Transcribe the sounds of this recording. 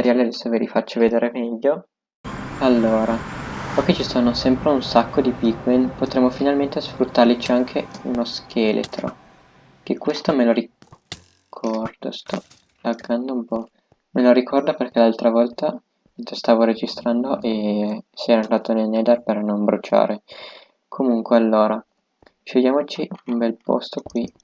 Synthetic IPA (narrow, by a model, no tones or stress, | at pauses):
eɾjaːlead̪ɛsːovelifat͡ʃːoved̪eːɾemɛʎːo | alːoːɾaɔkːet͡ʃisoːnosɛmpɾeunsakːod̪ipiɡwinpot̪ɾemːofinalment̪esfɾut̪ːarlit͡ʃiaŋkʰeunoskʰelʔḛt̪ɾo̰ | kekwest̪omeloɾi | kʰɔrd̪̥o̰st̪ɔ̰ | laɡand̪oumpɔ | meloɾikʰɔrd̪operkelalt̪ɾavɔlt̪a | st̪aːvoɾed͡ʒist̪ɾand̪oʔesɛɾand̪ɾaːt̪onelnɛd̪arpernombɾut͡ʃa̰ːɾe | kʰomuŋkwealːoːɾa | ʃoʎːaːmot͡ʃiumbɛlpo̰st̪okwi